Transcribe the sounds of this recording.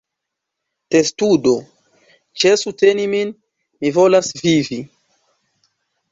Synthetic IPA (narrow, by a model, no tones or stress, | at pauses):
testudo̞ | t͡ʃesute̞nimin | mivo̞lasvivi